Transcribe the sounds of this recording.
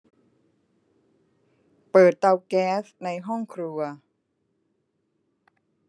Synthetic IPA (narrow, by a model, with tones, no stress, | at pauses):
pɤː˨˩t̪̚ːa˧wkɛː˦˥sna˧jɦɔ˥˩ŋkʰɾu˧ɐ